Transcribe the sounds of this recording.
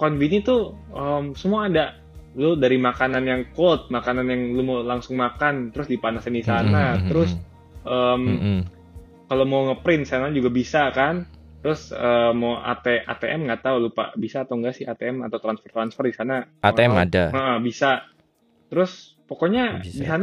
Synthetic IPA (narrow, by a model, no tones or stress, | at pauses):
kɔnvinit̪uəmsəmuaːda | lʊdaɾimakananjaŋkolt̪̚makananjaŋlumowlaŋsʊŋmakant̪əɾʊsdipanasɪndisanat̪əɾʊs | ʔəm | kalomawŋəpɾɪnsanaɲd͡ʒuɡabisakant̪əɾʊsəːmːawʔa̰t̪eʔa̰t̪eʔɛmŋɡaʔt̪aulupa̰ʔbisaːt̪awŋɡaʔsɪhat̪eɛma̰t̪awt̪ɾansfərt̪ɾansfərdisanaaeɛma̰daəʔəhbisa | t̪əɾʊs | pokoɲadisan